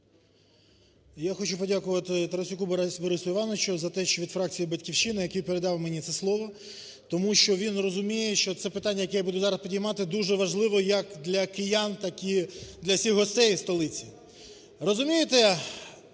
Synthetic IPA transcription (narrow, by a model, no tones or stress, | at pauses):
jaxɔt͡ʃupɔdʲakʊʋɐt̪ɪt̪ɐɾɔsʲʊkubɔbɔɾɪsʊɪʋɑnɔʋt͡ʃʊzɐt̪ɛʃt͡ʃɔʋʲid̪fɾɑk̚t͡sʲijibɐtʲkʲiwʃinɪjɐkijpeɾed̪ɑwmenʲit̪sɛslˠɔʋɔ | t̪ɔmuʃt͡ʃɔʋʲinrɔzʊmʲijeʃt͡ʃɔt̪sɛpɪt̪ɑnʲːɐjɐkɛjabud̪ʊzɑɾɐspʲidʲijmɑt̪ɪd̪uʒɛʋɐʒlˠɪʋɔjɐkd̪lʲɐkejant̪ɐkid̪lʲɐwsʲixɦɔst̪ɛjst̪ɔlˠɪt͡sʲi | rɔzʊmʲijet̪ɛ